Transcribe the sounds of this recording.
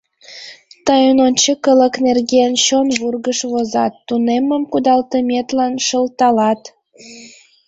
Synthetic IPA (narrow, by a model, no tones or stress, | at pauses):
t̪ɑjənont͡ɕəkələ̆knerɣenɕonβurɣəʃβozɑ̰t̪ːuneməmkud̪ɑlt̪əmʲet̪lɑnʃəlt̪ɑlɑt̪